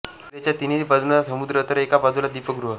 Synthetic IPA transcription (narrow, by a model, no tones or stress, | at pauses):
et͡ɕjat̪iniipad̪unasəmud̪ɾət̪əɾekapad̪ulad̪ipəkɡɾuɦə